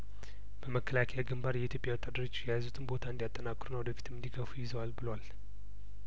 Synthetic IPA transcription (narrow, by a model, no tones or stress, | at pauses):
b̥əməkʰːəlakʰəjaɡɨmbaɾjɛit̪ʰjo̞pʼjawut̪ʼad̪əɾot͡ʃːjɛjazut̪ʰɨnbo̞t̪ʰaɨnd̪ijat̪ʼːənakʼːɾunəwd̪əfi̥t̪ʰɨmɨnd̪iɡəfujɪzəwalbɨləwal